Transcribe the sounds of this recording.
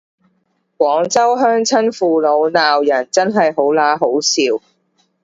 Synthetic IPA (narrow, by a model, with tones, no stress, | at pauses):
kʷɔː˨˥ŋt͡sɐ˥wɦœː˥ŋt͡sʰɐ˥nfuː˨lo˨˧wnaː˨wjɐ˨˩nt͡sɐ˥nɦɐ˨jɦo˨˥wlaː˨˥ɦo˨˥wsiː˨w